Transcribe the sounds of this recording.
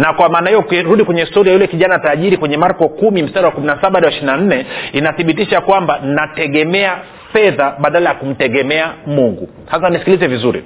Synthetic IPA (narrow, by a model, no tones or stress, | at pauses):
nakwamaːnahijɔkɾuɗikwɛɲɛhistɔɾiajulɛkiʄanaːtaʄiɾikwɛɲɛmaɾkɔkumim̩staɗawakuminasaɓaɗawaiʃiɾinan̩nɛinaθiɓitiʃakwambannatɛɠɛmɛa | fɛðaɓaɗalajakum̩tɛɠɛmɛamuŋɡṵ | has̬anisi̥kilizɛvizuɾḭ